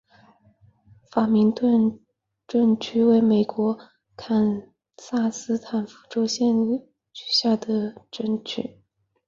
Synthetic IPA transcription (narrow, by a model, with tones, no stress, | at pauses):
fa˨˩mi˧˥ŋt̪wə˥˧n | ʈ͡ʂə˥˧nt͡ɕʰy˥we˧˥ɪme˨˩ɪkwɔ˧˥ | kʰa˨˩n | sa˥˩sɹ̩˥t̪ʰa˨˩nfu̥˧˥ʈ͡ʂo˥ʊɕjɛ˥˧n | t͡ɕy̥˨˩ɕja˥˩d̪ə˩ʈ͡ʂə˥nt͡ɕʰy̰˨˩˦